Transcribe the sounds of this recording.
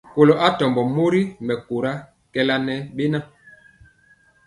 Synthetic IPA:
ko˨lo˨ʔa˦tɔ˨mbɔ˨mo˦ɾi˦mɛ˨ku˨ɾa˦ | kɛ˦la˦nɛ˦ɓe˦na˦

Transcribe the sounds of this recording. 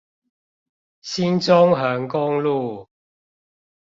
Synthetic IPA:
si˦˥nt͡sʊ˥ŋɦœː˨˧ŋkʊ˥ŋlu˥˨

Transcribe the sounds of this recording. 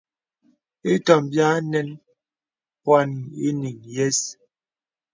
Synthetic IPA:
e˦tɔ˨mbja˦nɛ˦n | pwa˦n˨e˦ni˨ŋjɛ˦s

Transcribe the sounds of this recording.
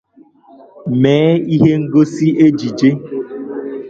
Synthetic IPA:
mɛː˨˦i˦ɦe˦ŋ̩˦ɡo˦si˦e˦d͡ʒi˨d͡ʒe˦

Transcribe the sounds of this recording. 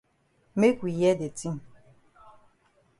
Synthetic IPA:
me˦kʷui˨jɛ˦de˨ti˦m̩˨

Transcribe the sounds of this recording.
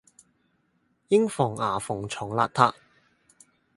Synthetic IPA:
jɪ˥ŋfɔː˨˩ŋaː˨˩fʊ˨˩ŋt͡ʃʰɔː˨˩˦ŋla̰ː˧t̚t̪ʰaː˧˥

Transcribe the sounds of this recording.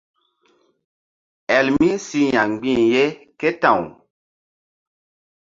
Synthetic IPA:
ɛ˨lmi˦si˦ɲa˨ŋ͡mɡ͡bĩ˦˨nje˦kɛ˦tã˨w

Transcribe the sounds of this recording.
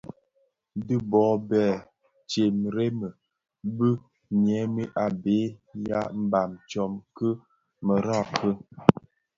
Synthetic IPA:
dɨ˦bɔː˨˦bɛ˨ | t͡ʃe˨mɾe˦mə˨ | bə˦ | ɲ˨ɛ˨˦mi˦ʔa˨be˨˦ja˦m̩˦ba˨mt͡ʃɔ˨mkə˦ | mə˨ɾa˦˨kə˦

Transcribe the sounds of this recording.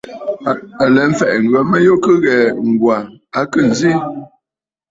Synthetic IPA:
a˨lɛ˨˦m̩˦fɛ˨ʔŋ̩˨ɡə˨˦mə˦jo˦kə˦ɣɛ˨ŋ̩˨ɡwa˨a˦kə˦˨n˨zi˦

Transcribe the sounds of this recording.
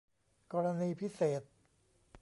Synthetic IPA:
kɔː˧ɾa˧niː˧pʰi˦˥seː˨˩t̪̚

